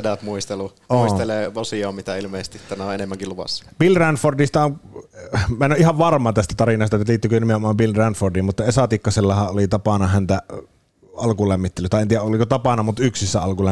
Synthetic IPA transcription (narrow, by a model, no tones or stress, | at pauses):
edæpmuist̪elu | ouist̪eleːʋosioːmmit̪æilmeːˑsest̪it̪ænæoʔenemːæŋkiluʋɑ̰sːɑ̥b̥ilrænfordist̪ɑon | mænːoʔihɑʋʋɑrmˑɑːt̪æst̪æt̪ɑrinɑst̪ɑet̪ːæliːt̪ːykønimeomɑmbilrænfordiːmmut̪ːɑesɑt̪ikːɑselːɑhɑʔʔolit̪ɑpɑnɑhænt̪æ | ɑlkulæmːit̪ːelyt̪ɑˑeniːˑæʔolikot̪ɑpɑnɑmut̪yksisːæɑlkulæ